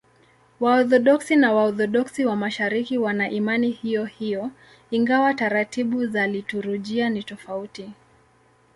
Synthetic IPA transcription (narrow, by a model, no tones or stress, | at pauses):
waɔθɔɗɔksinawaɔθɔɗɔksiwamaʃaɾikiwanaʔimanihijɔhijɔ | iŋɡawataɾatiɓuzalituɾuʄianitɔfauti